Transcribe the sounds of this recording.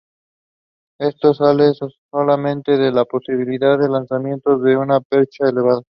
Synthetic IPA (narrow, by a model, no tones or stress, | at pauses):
e̞st̪o̞salessolamẽ̞nt̪eðe̞lapo̞siβ̞iliðaððe̞lansamjẽ̞nt̪o̞zðe̞unapeɾt͡ʃaele̞βaða